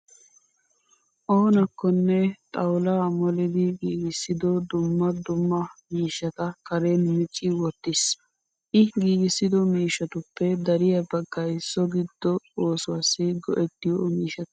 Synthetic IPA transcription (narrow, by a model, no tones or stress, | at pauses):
ʔo̞ːnɐkːɔnːɛt̪ʼɐwlamɔlɪd̪ɪɡiːɡɪsːɪd̪ɔd̪ʊmːɐd̪ʊmːɐmiːʃːɐt̪ɐkɐɾe̞ːnmɪt͡ʃʼːɪwɔt̪ːɪs | ʔɪɡiːɡɪsːɪd̪ɔmiːʃːɐt̪ʊpːɛd̪ɐɾɪjɐbɐɡːɐjsːɔɡɪd̪̥ːɔoːsʊwasːɪɡɔʔɛt̪ːɪjɔmiːʃɐt̪